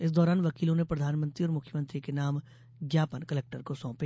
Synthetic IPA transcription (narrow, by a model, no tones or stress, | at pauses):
ɪs̬d̪ɔːɾaːnʋɐkiːlõnẽpɾɐd̪ʱaːnmə̃nt̪ɾiɔːɾmʊkʰjəmə̃nt̪ɾikenaːm | ɡjaːpənkɐlɛːk̚ʈəɾkosɔ̃ːpe